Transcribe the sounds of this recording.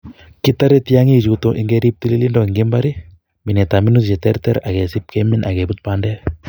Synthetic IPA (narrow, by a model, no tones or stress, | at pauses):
kɪt̪aɾɛtjaŋit͡ʃutoʔiŋɡɛɾip̚tililindɔiŋɡɪmbaɾi | minɛtaminust͡ʃɛtɛɾt̪ɛɾakɛsip̚kɛminʔakɛbut̪̚paːndɛl